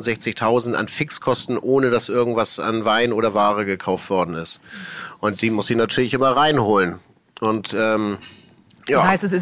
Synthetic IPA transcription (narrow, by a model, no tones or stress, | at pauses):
ntz̥ɛçt͡sɪçtʰaʊzn̩ta̰nfɪkskʰɔstn̩ʔoːnədasʔɪɐɡŋ̩tv̥asa̰nvaɪnʔoːɾɐvaːʁ̞əɡəkʰaʊftv̥ɔɐdn̩ɪstʔʊnt̚d̥iːmʊsd̥iːnatʰyːɐlɪçʔɪmɐʁaɪnhoːlən | ʔʊntʔɛːm | jaːaɪstɛsɪs